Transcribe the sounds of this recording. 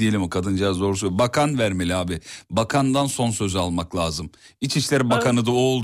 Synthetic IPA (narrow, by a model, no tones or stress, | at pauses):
ije̞lʲimokʰad̪ɯnd͡ʒazd̪o̞ɾusubakʰanvæɾmelʲiaːbɪbakʰand̪anso̞nsø̞zalˠmaklʲˠaːzɯm | it͡ʃiʃlʲæɾbakʰanɯd̪aolˠd̪